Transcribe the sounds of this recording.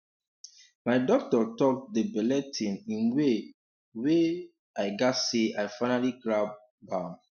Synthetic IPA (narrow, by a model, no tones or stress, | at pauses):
maɪdɔk̚tɔtɔk̚dəbɛlɛtʰĩmĩnwe | we | aɪɡaseʔaɪfaɪnaliɡɹab̚ | bãm